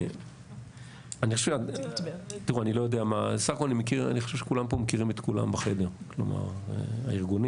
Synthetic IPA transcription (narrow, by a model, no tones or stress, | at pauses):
aniχoʃea | t̪iʁuanilo̞jod̪eamasaχako̞lanimekiʁa̰niχoʃevʃekulampomekiʁimet̪kula̰mbaχe̞deʁklo̰ma̰ʁ̰a̰iʁɡuni